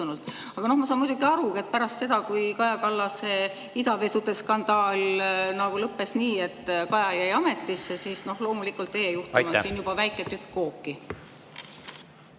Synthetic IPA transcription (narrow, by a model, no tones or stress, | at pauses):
unult̪ːˑ | ɑɡ̥ɑno̞hmɑsɑːnmujd̪uɡiɑɾue̞t̪̚pæɾɑst̪se̞d̪ɑkujkɑjɑkɑlːɑse̞ | id̪ɑvet̪ːut̪ːeskɑnd̪̥ɑːlnɑɡulɤpːe̞sniːe̞t̪ːˑkɑjɑjæjɑme̞t̪ːˑisːesiːsno̞hlo̞ːmulikːˑult̪ːe̞jejuht̪umɑsiːnjub̥ɑvæjkːˑet̪ykːo̞ːkːi